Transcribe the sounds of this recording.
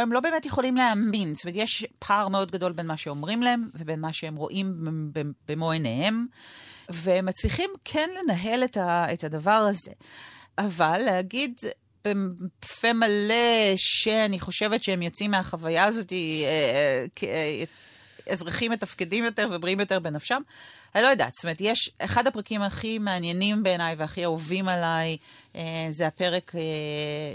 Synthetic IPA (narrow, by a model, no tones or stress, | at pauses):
emlo̞be̞ːme̞tjeχo̞limleaminst̪ometjeʃpaʁmeodɡado̞lbe̞nmaʃeo̞mʁimlehe̞mvebe̞nmaʃeemʁo̞ʔimbebemoenehe̞m | vehemːat͡sliχimkʰenle̞naɦe̞letaetadavaʁaze̞̰ʔavalːehaɡid | b̥efemaleʃeaniχo̞ʃe̞vetʃeemjo̞t͡simːeaχavajaːzo̞ti | kʰe | ezʁaχimetafkidimjo̞te̞ʁvebʁiimjo̞te̞be̞nafʃamanilo̞jada̰ːtstomet̪jeʃeχadapʁakimaχimeanjenimbe̞ːnajveaχiauvimalajʔezeape̞ʁe̞ke